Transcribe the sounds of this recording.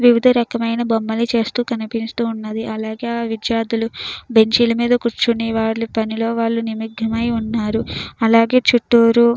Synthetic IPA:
ʋiʋid̪ʱɐɾɐkɐmɐjnɐbomːɐlit͡ʃe̞ːst̪uːkɐnipinst̪uːnːɐd̪iʔɐlaːɡe̞ːaːʋid̪jaːd̪ulube̞ɲt͡ʃilɐmiːd̪ɐkuɾt͡ʃuniʋaːɽlipɐnilo̞ːʋaːɭːunimiɡʱɐmɐjunːaːɾuɐlaːɡe̞ːt͡ʃuʈːuːɾu

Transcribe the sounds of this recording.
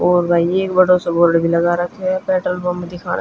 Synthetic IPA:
oːɾbaːjeːkbɐɽosoboːɾɖbʱilɐɡaɾɐkʰːɛpɛːʈɾəlbɐmd̪ɪkʰa̰ːn̰

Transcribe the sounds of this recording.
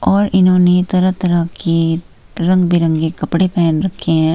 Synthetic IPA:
ɔːɾɪnɦõːnet̪ɐɾəɦt̪ɐɾəɦki | ɾɐ̃ŋɡbiɾə̃ŋɡɡekɐpɽepɛːnɾɐkʰːeɦɛ̃ː

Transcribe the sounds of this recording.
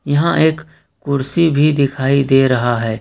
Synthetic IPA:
jɐɦãʔeːk | kʊɾsibʱid̪ɪkʰaːid̪eːɾɐɦaɦɛː

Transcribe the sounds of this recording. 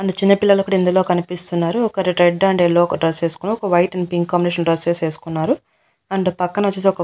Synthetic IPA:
ɐɳɖut͡ʃinːɐpilːɐlɐkːɐɽɐind̪uloːkɐnipist̪unːaːɾuɔkɐɾiʈɾeɖːɐɳɖelːoːɔkɐɖɾɐse̞ːsu̥kunuɔkɐʋɐjʈɐnɖpiŋkːaːmbineːʂɐnɖɾɐseːse̞ːsu̥kunːaːɾu | ɐɳɖupɐkːɐnɐʋɐt͡ʃːeːseɔkɐ

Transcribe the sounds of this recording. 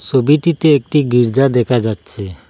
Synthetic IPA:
t͡ʃʰobiʈit̪eek̚ʈiɡiɾd͡ʒad̪ɛkʰad͡ʒatːɕʰe

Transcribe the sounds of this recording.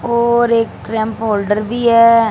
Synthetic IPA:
oːɾekʈɾɛ̃mpoːlɖəɾbiːɦɛː

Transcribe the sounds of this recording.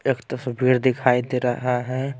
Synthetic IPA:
ekt̪əsbʱiːɾd̪ɪkʰaːid̪eɾɐɦaɦɛ̃

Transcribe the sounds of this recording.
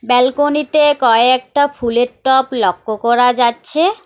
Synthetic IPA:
bɛlkonit̪ekɔeɛk̚ʈafʰuleɾʈːɔplɔkːokɔɾad͡ʑatːɕʰe

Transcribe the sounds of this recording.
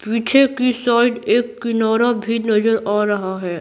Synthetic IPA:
piːt͡ʃʰekisaːɪɖeːkːɪnɔːɾabʱinɐzəɾaːɾɐɦaɦɛː

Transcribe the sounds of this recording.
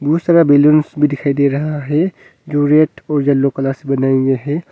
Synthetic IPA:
b̪uːst̪əɾabelonsbʱid̪ɪkʰaːid̪eɾɐɦaɦɛ | d͡ʒoɾeəʈɔːɾd͡ʒɐlːokɐlaɾsebɐnaːẽŋɡeɦɛ

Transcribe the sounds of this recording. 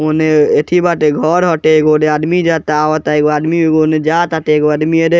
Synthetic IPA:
oneeʈ̪ʰibaʈeɡʱɔɾɦɔʈeɡonead̪mid͡ʒat̪aʋɔt̪aeɡoad̪miɡoned͡ʒat̪aʈeɡoad̪mieɾe

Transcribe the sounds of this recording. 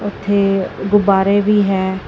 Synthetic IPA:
ʊt̪ʰːeːɡʊbaːɾeːʋiːɦɛː

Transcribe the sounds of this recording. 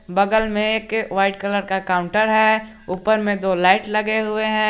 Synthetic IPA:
bɐɡəlmẽeːkʋaːɪʈ̚kɐləɾkakaːʊ̃ɳʈəɾɦɛ | uːpəɾmẽd̪oːlaːɪʈlɐɡeɦʊeɦɛ̃ː

